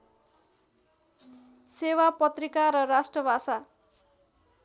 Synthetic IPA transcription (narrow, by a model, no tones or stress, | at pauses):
sewapʌt̪rikaɾʌrasʈrʌbʱasa